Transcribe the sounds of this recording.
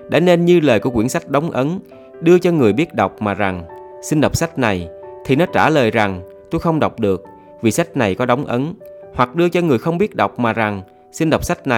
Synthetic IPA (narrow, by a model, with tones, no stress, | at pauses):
ɗa̰ː˧˥˦ne˧nɲɨ˧ləː˨˩jku˧˩əkwi˧˩ənsa˦˥k̚ɗa˨˦wŋ͡mʔə˨˦n | ɗɨ˧ət͡ɕɔ˧ŋɨ˨˩əjɓi˦˥ət̚ɗa˨˩wk͡p̚maː˨˩za˨˩ŋsi˧nɗa˨˩wk͡p̚sa˦˥jk̚na˨˩jt̪ʰi˨˩nɔ˨˦t͡ɕaː˧˩ləː˨˩jza˨˩ŋ | t̪o˧jxə˧wŋ͡mɗə˨˩wk͡p̚ɗɨ˨˩ək̚ | vi˨˩sa˦˥k̚na˨˩jkɔ˨˦ɗa˨˦wŋ͡mʔə˨˦nhwa˨˩k̚ɗɨ˧ət͡ɕɔ˧ŋɨ˨˩əjxə˧wŋ͡mɓi˦˥ət̚ɗa˨˩wk͡p̚maː˨˩za˨˩ŋ | si˧nɗwk͡p̚sa˦˥k̚na˨˩